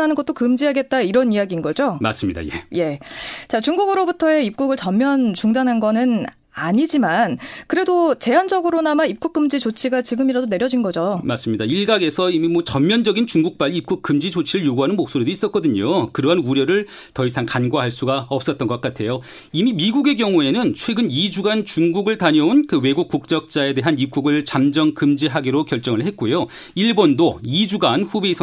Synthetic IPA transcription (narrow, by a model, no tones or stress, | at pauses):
anɯnŋɡʌt̚t͈okɯmd͡ʑiɦaɡe̞t̚t͈aiɾʌnijaɡiːnɡʌd͡ʑomas͈ɯmɲida̰je̞̰je̞t͡ɕat͡ɕuŋɡuɡɯɾobutʰʌe̞ip̚k͈uɡɯɭt͡ɕʌmmjʌnt͡ɕuŋdanɦanɡʌnɯn | aɲid͡ʑimankɯɾe̞dot͡ɕe̞ɦand͡ʑʌɡɯɾonamaip̚k͈uk͈ɯmd͡ʑit͡ɕot͡ɕʰiɡat͡ɕiɡɯmiɾadone̞ɾjʌd͡ʑinɡʌd͡ʑomas͈ɯmɲidaiɭɡaɡe̞sʰʌimimwʌt͡ɕʌmmjʌnd͡ʑʌɡint͡ɕuŋɡuk̚p͈aʎːiːp̚k͈uk͈̚ʰːɯmd͡ʑit͡ɕot͡ɕʰiɾɯɭjoɡuɦanɯnmok̚s͈oɾidois͈ʌt̚k͈ʌdɯɲokɯɾʌɦanuɾjʌɾɯɭ | tʌisʰaŋkanɡwaɦaɭs͈uɡaʌp̚s͈ʌt̚t͈ʌnɡʌk͈atʰe̞jo | imimiɡuɡe̞ɡjʌŋue̞nɯnt͡ɕʰwe̞ɡɯnid͡ʑuɡant͡ɕuŋɡuɡɯɭtaɲʌonkɯwe̞ɡuk̚k͈uk̚t͡ɕ͈ʌk̚t͡ɕ͈ae̞de̞ɦanip̚k͈uɡɯɭt͡ɕamd͡ʑʌŋkɯmd͡ʑiɦaɡiɾokjʌɭt͡ɕ͈ʌŋɯɭɦe̞t̚k͈ojo | iɭbondoid͡ʑuɡanɸubeisʰʌ